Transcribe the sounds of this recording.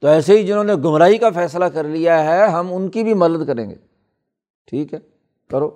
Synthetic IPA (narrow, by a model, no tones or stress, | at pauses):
t̪oɛːseɦid͡ʒɪnɦõːneɡʊmɾaːikafɛːslakɐɾlijaɦɛɦɐmʊnkibʱimɐd̪əd̪kɐɾẽːŋɡḛː | ʈʰiːkɦɛː | kɐɾoː